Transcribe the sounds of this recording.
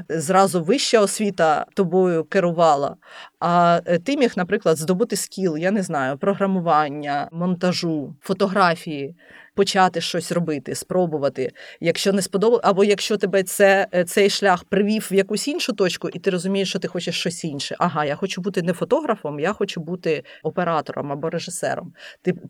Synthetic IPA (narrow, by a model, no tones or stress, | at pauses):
zrɑzʊʋɪʃt͡ʃɐɔsʲʋʲit̪ɐt̪ɔbɔjʊkeɾʊʋɑlˠɐ̰ɐt̪ɪmʲixnɐpɾɪklˠɐd̪zd̪ɔbɪt̪ɪskʲilˠjanɛznɑjʊpɾɔɦɾɐmʊʋɑnʲːɐmɔnt̪ɐʒufɔt̪ɔɦɾɑfʲiji | pɔt͡ʃɑt̪ɪʃt͡ʃɔsʲrɔbɪt̪ɪspɾɔbʊʋɐt̪ɪjɐkʃt͡ʃɔnɛspɔd̪ɔbɐʔɐbɔjɐkʃt͡ʃɔt̪ɛbɛt̪sɛt̪sɛjʃlʲaxpɾɪʋʲiwʋjɐkusʲinʃʊt̪ɔt͡ʃkʊʔit̪ɪɾɔzʊmʲijeʃt͡ʃɔt̪ɪxɔt͡ʃeʃt͡ʃɔsʲinʃɛʔɐɦɑjaxɔt͡ʃubut̪ɪnɛfɔt̪ɔɦɾɐfɔmjaxɔt͡ʃubut̪ɪɔpeɾɑt̪ɔ̰ɾɔ̰mɐbɔɾeʒɪsɛ̰ɾɔ̰mt̪ɪ